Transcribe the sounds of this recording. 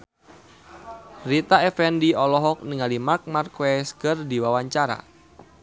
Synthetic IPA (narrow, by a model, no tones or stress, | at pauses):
rit̪aɛfɛndiɔlɔɦɔk̚niŋalimak̚markwɛskərdiwawaɲt͡ʃaɾa̰